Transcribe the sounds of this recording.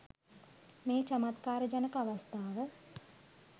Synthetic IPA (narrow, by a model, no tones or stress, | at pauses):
meːt͡ʃɐmat̪kaːɾəd͡ʒanəkəaʋast̪aːʋə